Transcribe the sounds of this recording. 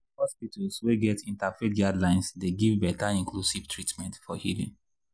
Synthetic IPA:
hɔspitʰalsweɡɛtĩntafetɡadlãɪ̃nsdeɡivbɛtaĩŋklusiv̥tʰɹitmɛ̃ntfɔhilḭ̃ŋ

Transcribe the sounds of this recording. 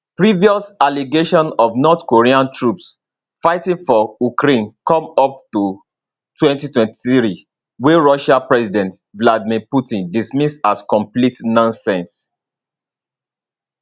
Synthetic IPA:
pɹiviɔsaliɡeʃɔ̃nɔvnɔtkoɹiãntʰɹups | faɪtĩŋfɔukɾẽnkɔ̃mɔp̚tu | twɛ̃ntitwɛ̃ntiθɹi | weɹɔʃapɹɛsidɛ̃nt | bladmiputĩndismisaskɔ̃mplitnɔ̃nsɛ̃ns

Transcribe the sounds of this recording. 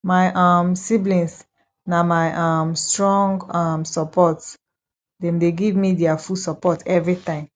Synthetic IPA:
maɪʔamsiblĩns | namaɪʔamstɹɔ̃ŋɡamsɔpɔt | dɛ̃mdeɡivmidɛafusɔpɔtɛvɹitãɪ̃m

